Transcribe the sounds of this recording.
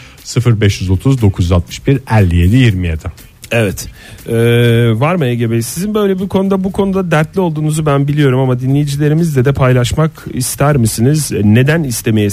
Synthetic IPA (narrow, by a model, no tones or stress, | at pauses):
sɯfɯɾbɛʃjyzo̞t̪ʰuzd̪o̞kʰuzjyzat̪mɯ̥ʃbiɾælʲːije̞d̪ijiɾmijad̪ʰa | evɛt̪ | ɛːvaɾmajaɟe̞belʲisizinbø̞jlʲebikʰo̞nud̪abukʰo̞nud̪ad̪æɾt̪lʲiolˠd̪uːnuzubænbilʲijo̞ɾumamad̪inlʲejid͡ʒilʲe̞ɾimizd̪ɛd̪ɛpʰajlˠaʃmakist̪ʰæɾmɯsinizne̞d̪ænist̪ʰe̞me̞je